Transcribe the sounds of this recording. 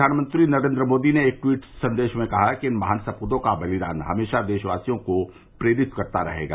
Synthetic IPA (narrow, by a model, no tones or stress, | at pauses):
aːnmə̃nt̪ɾinɐɾẽːnd̪ɾəmoːd̪ineːk̚ʈwiːʈsɐ̃nd̪eːʃmẽkɐɦakiɪnmɐɦaːnsɐpud̪õkabɐlɪd̪a̰ːnɦɐ̰meːʃad̪eːʃʋaːsijõko | pɾeːɾɪt̪kɐɾt̪aɾɐ̰ɦḛːɡa̰ː